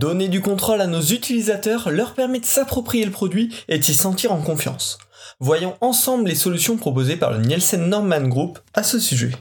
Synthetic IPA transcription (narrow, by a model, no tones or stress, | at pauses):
d̪ɔned̪ykɔ̃t̪χolanozyt̪ilizat̪œʁlœʁpɛʁmɛd̪əsapχɔpχijeləpχɔd̪ɥied̪isɑ̃t̪iʁɑ̃kɔ̃fjɑ̰̃s | vwajɑ̃ɑ̃sɑ̃bllesɔlysjɔ̃pχɔpozepa̰ʁlə̰nɛlsɛnːɔʁmanɡʁupasəsyʒɛ̰